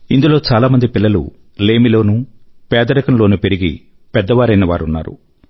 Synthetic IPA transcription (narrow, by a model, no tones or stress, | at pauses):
ind̪ulo̞ːt͡ʃaːlaːmɐnd̪ipilːɐlṵ | leːmilo̞ːnupɛːd̪ɐɾɐkɐnlo̞ːnupeɾiɡḭ | pɛd̪ːɐʋaːɾɐjnɐʋa̰ːɾunːa̰ːɾṵ